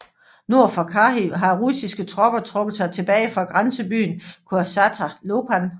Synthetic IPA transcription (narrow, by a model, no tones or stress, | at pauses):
no̝ɐ̰fɒkʰɑɦiɦɑ̈ʁusisɡ̥ət͡sʰʁɒ̽b̥ɐt͡sʰʁɔ̽ɡ̥ð̩ˠsɑ̈ɪt͡sʰe̝b̥ɛːɪfʁɑ̈ɡ̥ʁansəb̥y̰ːnkʰoɐsɑt͡sʰælopʰæn